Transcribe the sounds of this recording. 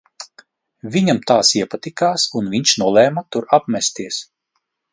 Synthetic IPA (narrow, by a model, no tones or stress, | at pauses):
vʲiɲamt̪aːsiɛpat̪ikaːsunviɲt͡ʃnuɔlˠɛːmat̪uɾapmʲɛst̪iɛəs